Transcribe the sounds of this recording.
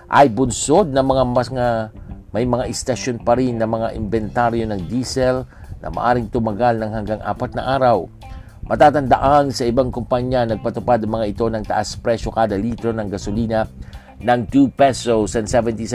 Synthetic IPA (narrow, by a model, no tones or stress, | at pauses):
ʔɐ̰jbʊnso̞d̪̚nɐmɐŋamɐŋamɐjmɐŋaʔɪst̪ɐʃonpɐɾinːɐmɐŋaʔɪmbɛnt̪aɾjo̞nɐŋd̪iːsɛlnʔɐ̰mɐ̰ʔa̰ːɾɪŋt̪ʊmɐɡalnɐŋhɐŋɡaŋʔa̰ːpɐt̪̚nɐ̰ʔaːɾɐw | mɐt̪aːt̪ɐnd̪ɐ̰ʔansɐʔɪbaŋkʊmpaɲːanɐɡ̚pɐt̪ʊpad̪ɐŋmɐŋaɪt̪o̞nɐŋt̪ɐ̰ʔaspɾɛʃo̞kaːd̪ɐlit̪ɾo̞nɐŋɡɐsoliːnɐ | nɐŋt̪upɛsosɐnsɛvɛnt̪is